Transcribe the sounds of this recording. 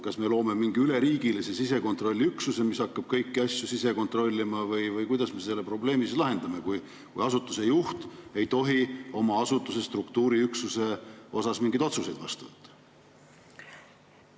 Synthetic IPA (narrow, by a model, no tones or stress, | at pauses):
kɑsme̞lo̞ːme̞miŋɡ̥iyle̞ɾiːɡ̥ilise̞sise̞ko̞nt̪ˑro̞lʲːiyksuse̞mishɑkːɑb̥̚kɤjkːiɑsʲjusise̞ko̞nt̪ˑro̞lʲːimɑvɤjvɤjkujd̪ɑsme̞selːepro̞ble̞ːmisilɑɦe̞nd̪ɑme̞kuj | kujɑsut̪ˑːuse̞juht̪ejt̪o̞ɦio̞mɑɑsut̪ːˑuse̞st̪rukt̪uːɾiyksuse̞ʔo̞sɑsmiŋɡijd̪o̞t̪suse̞jd̪̥vɑ̰st̪uvɤ̰t̪ːɑ̥